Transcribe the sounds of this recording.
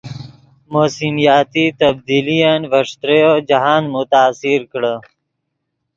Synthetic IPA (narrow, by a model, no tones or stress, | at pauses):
moːsimijaːt̪iːt̪əb̚d̪iːlijanʋəʂt̪ɾejod͡ʒɐɦaːnmut̪aːsiɾkɽə